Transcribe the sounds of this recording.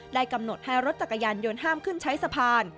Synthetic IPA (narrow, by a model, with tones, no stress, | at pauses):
daː˥˩jka˧mno˨˩t̪̚ha˥˩jɾo˦˥t̪̚t͡ɕa˨˩kːa˧jaː˧njoː˧nɦaː˥˩mkʰɯ˥˩nt͡ɕʰa˦˥jsa˧pʰaː˧n